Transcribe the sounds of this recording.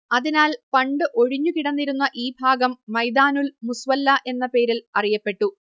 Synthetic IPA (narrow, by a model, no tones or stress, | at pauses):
ɐðinaːlpɐɳɖɨʔo̞ɻiɲːukiɽɐnːiɾunːɐʔiːbʱaːɡɐmːɐjd̪aːnulmusʋɐlːɐʔe̞nːɐpe̞ːɾilɐrijɐpːe̞ʈːu